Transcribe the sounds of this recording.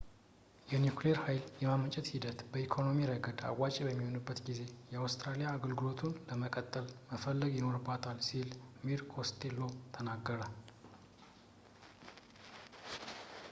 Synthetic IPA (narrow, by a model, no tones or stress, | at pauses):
jɛnjukleɾhajljɛmamət͡ʃʼɛt̪hid̪ət̪bəikʰo̞no̞miɾəɡəd̪a̰wwat͡ʃʼibəmːiho̞nɨbːət̪ɡize̞jɛawst̪ɾalijaːɡəlɡɨlo̞t̪ʰunləməkʼət̪ʼːəlməfəlːəɡjɪno̞ɾɨbːat̪ʰalsilmiɾkʰo̞st̪ʰelːo̞t̪ʰənaɡːəɾə